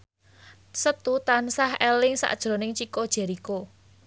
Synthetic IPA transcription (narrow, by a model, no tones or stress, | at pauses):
sət̪ut̪ansahɛlɪŋsa̰ʔd̥ʒ̥ɾo̤nɪŋt͡ʃikod̥ʒ̥ɛ̤ɾiko